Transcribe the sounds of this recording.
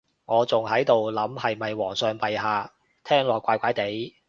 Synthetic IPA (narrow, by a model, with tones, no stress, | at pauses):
ŋɔː˨˧t͡sʊ˨ŋɦɐ˨˥jt̪o˨wlɐ˨˥mhɐ˨jmɐ˨jwɔː˨˩ŋsœː˨ŋpɐ˨jɦaː˨˧ | t̪ʰɛː˥ŋlɔː˨kʷaː˧jkʷaː˨˥jt̪e˨˥j